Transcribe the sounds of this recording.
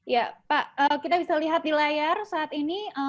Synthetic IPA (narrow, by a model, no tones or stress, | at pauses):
japaʔəkit̪abisaliɦat̪̚dilajarsaːt̪iniə